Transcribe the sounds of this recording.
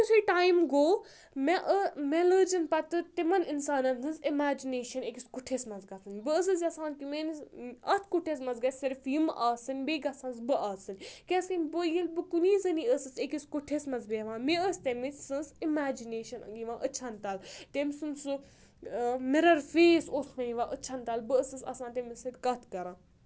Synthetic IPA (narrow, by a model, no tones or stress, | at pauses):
usuʈaːjmɡoː | meʔəmeləːd͡ʒinpɐt̪ɨt̪imɐninsaːnɐnsɨnzimaːd͡ʒineːʃɐnekiskuʈʰeːsmɐzɡɐt̪ʰɨnʲbɨəs̬ɨs̬jɐsãːnkʲumenɐt̪ʰkuʈʰes̬mɐnzɡɐtʰʲsɐɾfjimʔaːsɨnʲbeːɡɐsɐ̃nzbɨaːsɨnʲkʲesinʲbəjilbɨkuniːzɐniəsɨsekiskuʈʰesmɐzbeːʋãːmiəst̪emisɨnzimaːd͡ʒineːʃɐnɐ̰ŋɡiʋãːʔət͡ʃʰɐnt̪aːlt̪emsɨnsɨ | mɪɾɐɾfeːsoːt̪ʰʋɐniʋãːʔət͡ʃʰɐnt̪aːlbɨəsɨsɐ̰sãːnt̪emisɐt̪ʲkɐt̪ʰkɐɾãː